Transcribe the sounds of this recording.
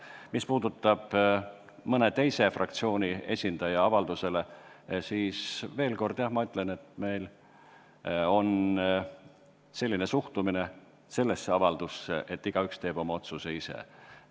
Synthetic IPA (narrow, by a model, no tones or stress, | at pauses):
mispuːd̪̥ut̪ːˑɑb̥ | mɤne̞t̪e̞jse̞frɑ̰kt̪sio̞ːnʲie̞̰sʲind̪̥ɑjɑɑvɑld̪use̞le̞siːsve̞ːlko̞rd̪̥jɑhmɑyt̪ːˑle̞ne̞t̪me̞jl | o̞n | se̞lʲːinesuht̪umine̞ | se̞lːe̞sːeɑvɑld̪̥usːḛʔet̪ːiɡ̥ɑykst̪e̞ːb̥o̞mɑo̞t̪suse̞isḛ